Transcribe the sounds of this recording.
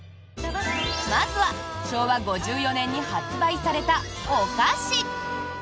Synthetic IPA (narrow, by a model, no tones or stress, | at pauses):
mazɨβaɕo̞ːβaɡo̞ʑɨːjo̞nẽ̞ɲ̟ːihat͡sɨbaisaɾe̞t̪aokaɕi